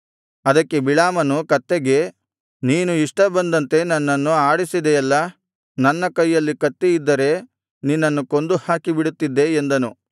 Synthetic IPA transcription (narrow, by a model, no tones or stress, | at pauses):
ɐd̪ɐkːe̞biɭaːmɐnukɐt̪ːeɡe̞ | niːnuiʂʈɐbɐnd̪ɐnt̪e̞nɐnːɐnːuaːɽisid̪eɛlːɐ | nɐnːɐkɐjːɐlːikɐt̪ːeid̪ːɐɾe̞ | ninːɐnːuko̞nd̪uhaːkibiɽut̪ːid̪ːe̞ːnd̪ɐnu